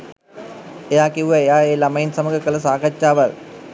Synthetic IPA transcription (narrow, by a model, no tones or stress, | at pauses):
ejaːkiʋuʋɐejaːeːlɐmɐinsɐmɐɡɐkɐlɐsaːkɐt͡ʃːaːʋɐl